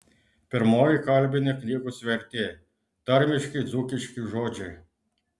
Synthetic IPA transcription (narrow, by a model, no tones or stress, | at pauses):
pɛɾmɔːjikɑlbʲinʲɛknʲiɣusʲʋɛɾt̪ɛ | t̪əɾmʲiʃkid̪zukiʃkiʒoːd͡ʒɛ